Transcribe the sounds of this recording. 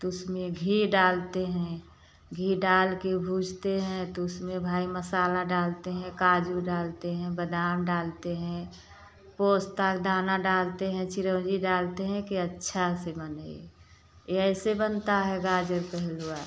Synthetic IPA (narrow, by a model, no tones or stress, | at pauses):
t̪ʊsmẽɡʱiɖaːlt̪eɦɛ̃ | ɡʱiɖaːlkebʱuːd͡ʒʱt̪eɦɛ̃t̪oʊsmẽbʱaːiməsaːlaɖaːlt̪eɦɛ̃kaːd͡ʒuɖaːlt̪eɦɛ̃bəd̪aːmɖaːlt̪eɦɛ̃ | poːst̪akd̪aːnaɖaːlt̪eɦɛ̃t͡ʃɪɾə̃wd͡ʒiɖaːlt̪eɦɛ̃kiətːʃʰasebənə | eɛɪsebənt̪aɦɛɡaːd͡ʒəɾpɛɦlua